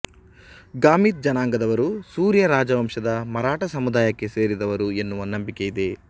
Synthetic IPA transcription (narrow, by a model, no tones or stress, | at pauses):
ɡaːmit̪̚d͡ʒɐnaːŋɡɐd̪ɐʋɐɾusuːɾjɐɾaːd͡ʒɐʋɐmʂɐd̪ɐmɐɾaːʈɐsɐmud̪aːjɐkːe̞se̞ːɾid̪ɐʋɐɾue̞nːuʋɐnɐmbike̞jid̪e̞